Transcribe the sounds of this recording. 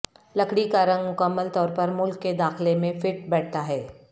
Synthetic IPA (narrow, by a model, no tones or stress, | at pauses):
lɐkʰɽikaɾɐ̃ŋɡmʊkəmːəlt̪ɔːɾpɐɾmʊlkːed̪aːxlemẽfɪʈ̚bɛːʈ̚t̪aɦɛː